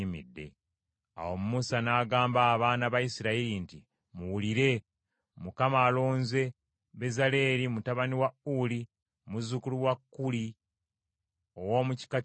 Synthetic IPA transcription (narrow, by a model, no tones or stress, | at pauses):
imḭdːe̞̰ | a̰wo̞mumusanaːɡaːmbaːβaːnaβajisiɾaiɾinti | muwuliɾe̞ | mukamaːlo̞ːnze̞ | βe̞zale̞ːɾimutaβaniwauli | muzukuluwakːuli | o̞wo̞muci̥ka